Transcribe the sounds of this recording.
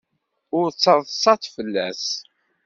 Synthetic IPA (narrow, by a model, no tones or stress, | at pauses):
ʊɾt͡sːɑðˤsˤːɑθfəlːæ̰s